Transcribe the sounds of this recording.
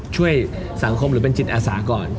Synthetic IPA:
t͡ɕʰu˥˩əj | sa˩˦ŋkʰo˧mɾɯː˩˦pe˧nt͡ɕʰi˨˩t̪̚ʔaː˧saː˩˦kɔː˨˩n

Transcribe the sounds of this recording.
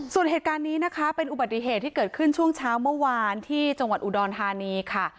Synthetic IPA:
su˨˩ənɦeː˨˩t̪̚kaː˧nːiː˦˥na˦˥kʰa˦˥pe˧nʔu˨˩ba˨˩t̪̚ːi˨˩ɦeː˨˩t̪ʰːiː˥kɤː˨˩t̪̚kʰɯ˥˩nt͡ɕʰu˥˩əŋt͡ɕʰaː˦˥wmɯ˥˩ɐwaː˧nt̪ʰiː˥˩t͡ɕa˧ŋwa˨˩t̪ʔu˨˩dɔː˧nt̪ʰaː˧niː˧kʰa˥˩

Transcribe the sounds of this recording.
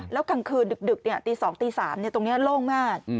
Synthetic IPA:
lɛː˦˥wka˧ŋkʰɯː˧ndɯ˨˩k̚dɯ˨˩k̚ni˥˩ɐt̪iː˧sɔː˩˦ŋt̪iː˧saː˩˦mni˥˩ɐt̪o˧ŋni˦˥ɐloː˥˩ŋmaː˥˩k̚

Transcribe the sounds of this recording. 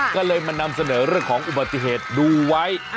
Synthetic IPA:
kɔː˥˩lɤː˧jma˧na˧msa˧nɤː˩˦ɾɯ˥˩əŋkʰɔː˩˦ŋʔu˨ba˨t̪ːi˧˩ɦeː˨˩t̪̚duː˧wa˦˥j

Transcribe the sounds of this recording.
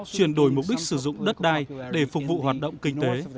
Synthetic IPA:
t͡ɕwi˧˩ənɗo˧˩jmʊ˨˩k͡p̚ɗi˦˥k̟̚sɨ˧˩zʊ̰˧˨ŋ͡mɗə˦˥t̚ɗaː˧jɗe˧˩fʊ˨˩k̚vṵ˧˨ɦwaː˨˩t̚ɗə̰˧˨wŋ͡mkï˧ŋ̟t̪e˨˦

